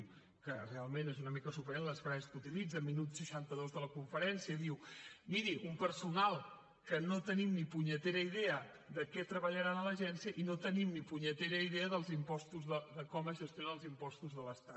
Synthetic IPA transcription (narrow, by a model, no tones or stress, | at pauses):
m | kərealˠmenezunəmikəsupəɾenləsfɾaəskut̪ilid͡zəminut̪səʃant̪əðozðələkuɱfəɾɛnsiəðiwmiɾiʔumpəɾsunalˠ | kənot̪ənimnipuɲət̪eɾəiðeə | ðəkɛt̪ɾəβəʎəɾanələʒɛnsjəʔinot̪ənimnipuɲət̪eɾəiðeəðəlˠzimpɔst̪uzðəðəkɔməzʒəst̪jonaəlˠzimpɔst̪uzðələst̪a